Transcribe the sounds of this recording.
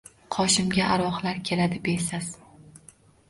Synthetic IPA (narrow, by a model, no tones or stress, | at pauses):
qʰɒʃɪmɡʲaʔaɾɒχlaɾkʲʰe̞lad̪ɪbe̞saz̥